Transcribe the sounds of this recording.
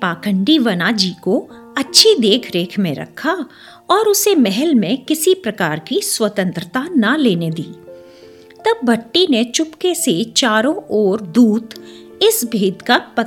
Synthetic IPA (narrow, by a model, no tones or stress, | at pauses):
paːkə̃ɳɖiʋɐnad͡ʒiːko | ɐtːʃʰid̪eːkʰɾeːkʰmẽɾɐ̰kʰːa | ɔːɾʊsemɛɦɛlmẽkɪsipɾɐkaːɾkiswɐt̪ə̃nt̪ɾət̪anɐleːned̪iː | t̪ɐbːɐʈːinet͡ʃʊpkeset͡ʃaːɾõʔoːɾd̪uːt̪ | ɪsbʱiːd̪kapɐ